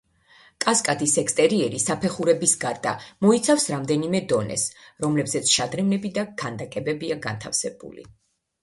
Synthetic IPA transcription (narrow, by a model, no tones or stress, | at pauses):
kʼaskʼad̪isɛkst̪ʼɛɾiɛɾisapʰɛχuɾɛbisɡaɾd̪a̰mɔit̪sʰafsɾamd̪ɛnimɛd̪ɔnɛ̰sɾɔmlɛbzɛt̪sʰʃad̪ɾɛmnɛbid̪akʰand̪akʼɛbɛbiaɡa̰nt̪ʰafsɛb̥ṵlḭ